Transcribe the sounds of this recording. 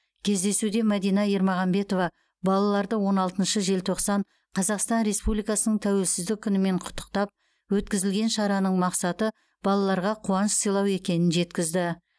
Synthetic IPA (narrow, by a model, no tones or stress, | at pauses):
kʲʰe̞zd̪e̞sud̪e̞mæd̪ijnɑiɾmɑʁɑmbe̞t̪o̞vɑ | bɑlˠɑlˠɑɾd̪əwo̞nɑlˠt̪ənʃəʒe̞lt̪ʰo̞qsɑɴ | qʰɑzɑqst̪ɑnɾe̞spublijkɑsənəɴt̪ʰæwe̞lsɪzd̪ɪk̚ʲʰːʏnɪme̞ɴqʰʊ̥t̪ːə̥qt̪ɑp̚ | wɵt̪kʲɪzɪlɡʲe̞nʃɑɾɑnəɴmɑqsɑt̪ə | bɑlˠɑlˠɑɾʁɑqʰuwɑnəssijlˠɑwe̞kʲe̞nɪnʒe̞t̪kʲɪzd̪ɪ